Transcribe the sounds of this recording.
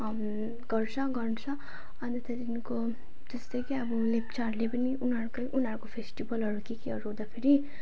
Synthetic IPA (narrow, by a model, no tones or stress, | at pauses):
m | ɡ̥ʌrt͡sʰʌɡʌrɳt͡sʰʌ | ʌnʌt̪ʌt̪inko | t̪ʌst̪ʌkiʌbulept͡saɾlepʌniʔunʌɾukʌjʔunʌɾukopʰesʈibʌlɦʌɾukikiɦʌɾuɦod̪apʰeɾi